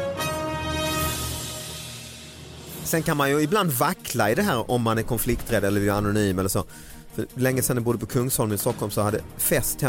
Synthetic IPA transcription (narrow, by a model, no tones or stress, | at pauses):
sɛnkanmanjɵɪbland̪vakːlaɪd̪ɛɦæːɾɔmːanæɾkʰɔnflɪkt̪ɾɛd̪ɛlːəjanʊnyːmɛlːəʂoː | fœlɛŋːəsɛnd̪ɛbʊd̪ːəpʰɔkʰɵŋshɔlmɪst̪ɔkːɔlmsɔhad̪ːəfɛst̪hɛ